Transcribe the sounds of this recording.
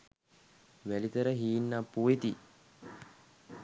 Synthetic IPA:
ʋælit̪əɾəɦiːnːapːuet̪i

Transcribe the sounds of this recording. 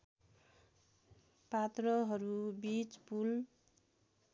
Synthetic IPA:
pat̪rʌɦʌɾubit͡spul

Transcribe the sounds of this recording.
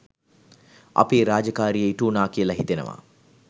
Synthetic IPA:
ɐ̰peːɾaːd͡ʒəkaːɾijeiʈuːnaːkiəlɐɦit̪enə̰ʋa̰

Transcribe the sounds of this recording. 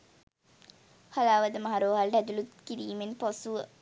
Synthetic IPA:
hɐlaːʋɐd̪əmɐɦaɾoːɦalɖɛd̪ulut̪kiɾiːmenposuə

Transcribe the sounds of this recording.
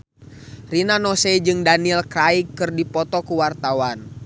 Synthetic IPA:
rinanɔsɛd͡ʒɨŋdanilkɾaikːɨrdipɔt̪ɔkuwart̪awan

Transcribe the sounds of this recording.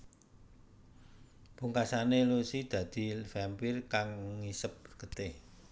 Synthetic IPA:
b̥uŋkasanelusid̪̥ä̤d̪̥i̤fɛmpirkaŋːisəp̚ɡ̥ət̪ɪh

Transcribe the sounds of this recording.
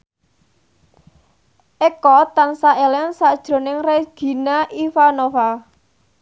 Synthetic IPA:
ʔekɔt̪ansaʔelɛnsad̥ʒ̥ɾo̤nɪŋreɡ̥i̤naʔifanofa

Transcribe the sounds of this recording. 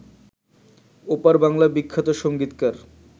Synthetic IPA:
opaɾbaŋlabikʰːat̪oʃoŋɡit̪kaɾ

